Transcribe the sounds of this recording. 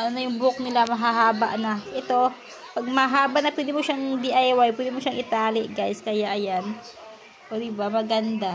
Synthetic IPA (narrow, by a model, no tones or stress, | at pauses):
ɐnonojʊŋbʊk̚nɪlamɐɦaɦaːbɐʔnɐʔɛt̪o̞ | pɐɡ̚mɐaɦaːbɐʔnɐpwɛd̪ɪmoʃaŋd̪iʔajwajpwɛd̪ɪmoʃaŋʔɪt̪aːlɪʔɡajskɐjaʔɐjan | ʔod̪ɪbamɐɡɐnd̪a